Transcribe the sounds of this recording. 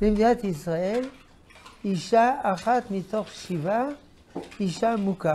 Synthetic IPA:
b̥imd̪at̪isʁael | iʃaːχat̪mit̪oχʃiva | iʃamuka

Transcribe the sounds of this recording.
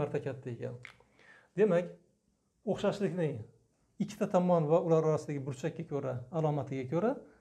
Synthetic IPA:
aɾt̪ʰakʲʰat̪ʰːae̞kʲʰa̰n | d̪̥e̞makʲ | oχʃaʃlɪkʲnɪŋ | ɪkʲʰːɪ̥t̪ʰat̪ʰɒmɒnvaʊlaɾɒɾasɪd̪aɡʲɪbʊɾt͡ʃʰak̚ʲːakʲʰɵɾaːlˠɒmat̪ʰɪɡʲakʰɵɾa

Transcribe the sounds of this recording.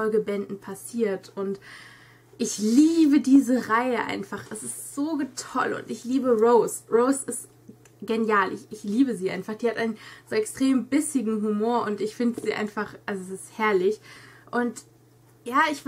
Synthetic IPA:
ɔlɡəbɛndn̩pʰasiːɐtʊnt | ʔɪçliːbədiːzəʁaɪəʔa̰ɪnfaχɛsɪstz̥oːɡətʰɔlʊ̰ntɪçliːbəʁoʊsʁoʊsɪst | ɡ̥enjaːlʔɪ̰çɪçliːbəziːʔa̰ɪnfaχd̥iːhatʔaɪnnz̥oːɛkstʁ̥eːmbɪsɪɡŋ̩ɦumoːɐʔʊntɪçfɪndəziːʔa̰ɪnfaχʔalzoɛsɪsthɛɐlɪçʔʊnt | jaːɪçv

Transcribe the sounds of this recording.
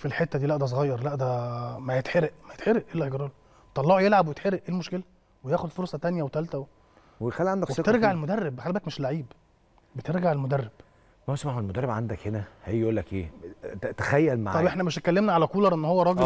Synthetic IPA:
filħet̪ːæd̪iːlæʔd̪æs̬oɣɑjːɑɾˤlæʔd̪æmæjet̪ħeɾeʔmæjet̪ħeɾeʔʔelːæeɡɾˤɑl | t̪ːˤɑlːɑʕojelʕabwejet̪ħeɾeʔʔeːlmoʃkelæ | wejæːxod̪foɾˤsˤɑt̪ænjæwet̪ælt̪æw | wexælːiʕand̪ækweet̪ɾɡaʕelmod̪ærːebxælbækmeʃlaʕiːb | bet̪eɾɡaʕelmod̪ærːeb̥ | mæsmaħuelmod̪ærːˤebʕand̪ækhenæhejːjʔuːlːækʔeːt̪æxæjːælma̰ʕɑbʔeħnæmeʃekːælːemnæʕalækuːlɑɾˤʔenːhowːæɾˤɑːɡe

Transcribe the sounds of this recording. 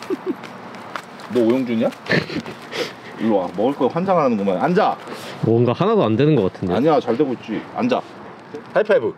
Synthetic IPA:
noojoŋd͡ʑuɲia | ioamʌɡɯɭk͈ʌjoɸwand͡ʑaŋɦaanɯnɡʌmanand͡ʑamwʌŋɡahanadoandwe̞nɯnɡʌk͈atʰɯndeaɲiat͡ɕʌɭde̞ɡoit̚t͡ɕ͈ɥia̰nd͡ʑa | tʰajpʰabɯ

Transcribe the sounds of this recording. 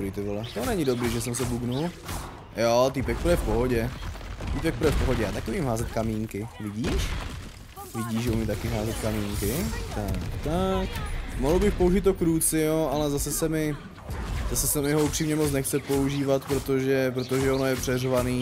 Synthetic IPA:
ɾit̪ɪvlɛt̪onɛɲɪdo̞bɾiːʒɛs̬ɛmsɛbuɡnul | jot̪ipɛk̚pɾɛfpoɦoɟɛt̪ipɛk̚pɾɛfpoɦoɟɛjaːt̪akɪuɲimɦaːzɛt̪kamiːŋkɪvɪɟiːʃ | vɪɟiːʒʒɛumit̪akɪɦaːzɛt̪kamiːŋkɪt̪akt̪akmoɦl̩bɪxpo̞uʒɪt̪ːokɾuːt͡sɪjoʔalɛzasɛsɛmɪ | zasɛsɛmɪɦoupr̥iːmɲɛmot͡snɛxt͡sɛpo̞uʒiːvat̪pɾot̪oʒɛpɾot̪oʒɛono̞jɛpr̥ɛrvaniː

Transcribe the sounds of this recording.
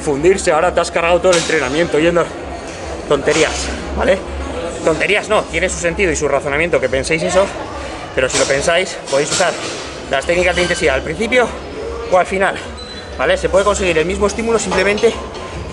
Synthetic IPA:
fund̪iɾseaoɾat̪easkaɾɣawt̪o̞ðolent̪ɾe̞namjẽ̞nt̪oʝe̞nd̪o | t̪o̞nt̪e̞ɾiasba̰le | t̪o̞nt̪e̞ɾiazno̞t̪je̞ne̞ns̬u̥se̞nt̪iðoisuraθo̞nãmjent̪o̞ke̞pe̞nsejse̞so̞ | pe̞ɾo̞silo̞pe̞nsajspo̞ðe̞js̬usaɾ | lʔast̪e̞knikazðeint̪e̞nsiðaːlpɾin̟θipjo̞ | oalfinal | bale̞se̞pwe̞ðe̞ko̞nse̞ɣ̞iɾe̞lmizmoe̞st̪imulo̞simple̞mẽnt̪e̞

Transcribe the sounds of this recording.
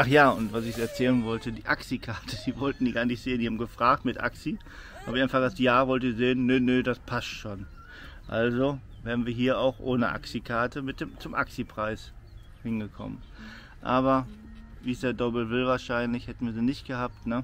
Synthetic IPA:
ʔaχjaːʊntv̥asɪçsɛɐt͡sɛːlənvɔltədiːʔaksikʰaɐtʰədiːvɔltn̩diːɡaːnɪçtz̥eːəndiːhabm̩ɡəfʁ̥aːk̚tmɪtʔa̰ksḭ | bçaɪnfaχɡajaːvɔltəizeːənːənədaspʰastʃoːn | ʔalzo | vɛːʁnviːɐɦiːɐa̰ʊxʔoːnəʔa̰ksikʰaɐtəmɪt̚d̥eːmt͡sʊmʔa̰ksipʁ̥aɪs | hɪnɡəkʰɔ̰mə̰n | ʔaːβɐ | viːsd̥eːɐdɔbl̩vɪlvaːɐʃaɪnlɪçhɛtn̩viːziːnɪçtɡ̥əhaːp̚tnə

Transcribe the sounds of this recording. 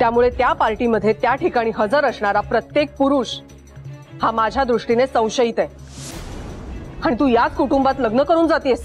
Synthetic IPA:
t̪jamuɭet̪japaɾʈiməd̪ʱːjet̪jaʈʰikaɽ̃iːɦəd͡zəɾəsɳaɾapɾət̪jek̚puɾuːɕ | hamad͡ʑʱjad̪ɾuʂʈinesə̃w̃ɕəit̪ɛ | aɽ̃it̪uːjat͡skuʈumbat̪ləɡnəkəɾuːnd͡zat̪iəs

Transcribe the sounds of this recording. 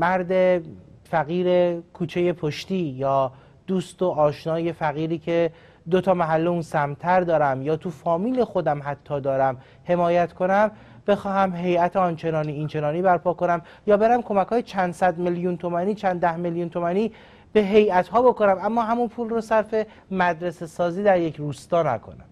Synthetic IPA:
mæɾd̪efæɣiːɾekʰuːt͡ʃʰe̞je̞pʰoʃt̪iːjɒː | d̪̥uːst̪oʔɒːʃnɒːje̞fæɣiːɾiːcʰe̞ | d̪ot̪ʰɒːmæɦælːeunsæmt̪ʰæɾd̪ɒːɾæmjɒːt̪ʰufɒːmiːlexo̞d̪æmɦæt̪ʰːɒːd̪ɒːɾæm | he̞mɒːjæt̪kʰo̞næm | b̥e̞xɒːɦæmɦe̞jæt̪ʰeɒːnt͡ʃʰe̞nɒːniːnt͡ʃʰe̞nɒːniːbæɾpʰɒːko̞næm | jɒːbe̞ɾæmkʰo̞mækʰːjet͡ʃʰænd̪̥sæd̪meljunt̪ʰomæniːt͡ʃʰænd̪æhmeljuːnt̪ʰo̞mæniː | b̥e̞ɦe̞jæt̪ɦɒːbo̞konæmæmːɒːɦæmunpʰuːlrosæɾfe̞ | mæd̪ɾese̞sɒːziːd̪æɾjecʰruːst̪ɒːnæ̰kʰo̞̰næ̰m

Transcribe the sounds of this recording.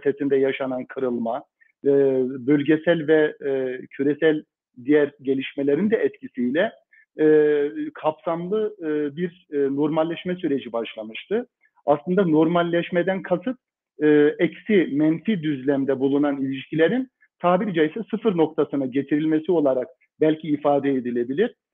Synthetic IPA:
t̪ʰet̪ʰind̪ɛjaʃanankʰɯɾɯlˠma | bølʲɟɛsælʲvɛcʰyɾɛsælʲ | d̪ijæɾɟe̞lʲiʃmelʲe̞ɾind̪ɛʔɛt̪cʰisijlʲɛ | kʰapsamlˠɯbiɾ | no̞ɾmalʲːɛʃmɛsyɾe̞d͡ʒibaʃlˠamɯʃt̪ʰɯ | aslˠɯnd̪ano̞ɾmalʲːɛʃmed̪ænkʰasɯt̪̚ | ɯːɛcsimɛnfid̪yzlʲæmd̪ɛbulˠunanilʲiʃcʰilʲe̞ɾin | t̪ʰaːbiɾd͡ʒajsɛsɯfɯɾno̞k̚t̪ʰasɯnaɟe̞t̪ʰiɾilʲmesio̞lˠaɾak̚ | bælʲcʰiːfaːd̪ɛed̪ilʲe̞bilʲiɾ̥

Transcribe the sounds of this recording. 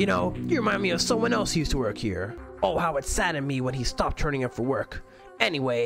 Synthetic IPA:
jɨnoʊjɨɹɨmãɪ̃ndmiʌv̥sʌ̃mwʌ̃nɛlˠsjʉstʰəwɜ˞khḭɹoʊhaʊɨtsæɾɨ̃nmiwə̃nistɑp̚tʰɜ̃˞ñɪ̃ŋɨpfə˞wɜ˞k | ɛniweɪ

